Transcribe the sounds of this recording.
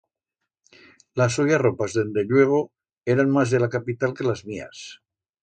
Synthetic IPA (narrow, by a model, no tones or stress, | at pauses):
lasojaropazðend̪eʎweɣ̞o | eɾanmazðelakapit̪alkelazmia̰s